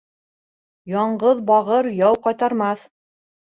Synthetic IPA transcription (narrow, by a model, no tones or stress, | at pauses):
jɑɴɢɤðbɑʁɤɾjɑwqɑjt̪ɑɾmɑθ